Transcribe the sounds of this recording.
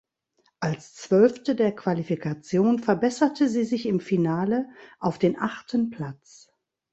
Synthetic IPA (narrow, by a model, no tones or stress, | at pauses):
ʔalst͡sv̥œlftədeːɐkv̥alifikʰat͡sjoːnfɛɐbɛsɐtʰəziːzɪçɪmfinaːləʔaʊfd̥eːnʔaχtʰənpʰl̥at͡s